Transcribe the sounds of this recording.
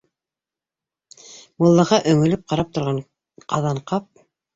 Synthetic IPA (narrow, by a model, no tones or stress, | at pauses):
wɤ̆lˠːɑʁɑʔɵ̆ŋɵ̆lɘp̚qɑɾɑp̚t̪ŏɾʁɑɴ | qʰɑðɑɴqɑp̚